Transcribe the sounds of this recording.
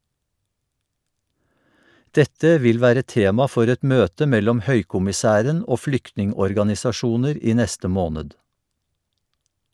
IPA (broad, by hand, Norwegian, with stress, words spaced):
ˈdɛtə ˈʋɪl ˈʋæːɾə ˈteːmɑ ˈfɔɾ ˈɛt ˈmøːtə ˈmɛlɔm ˈhœʏkʊmɪˌsæːɾən ˈoː ˈflʏktnɪŋɔɾɡɑnɪsɑˌʃuːnəɾ ˈiː ˈnɛstə ˈmoːnəd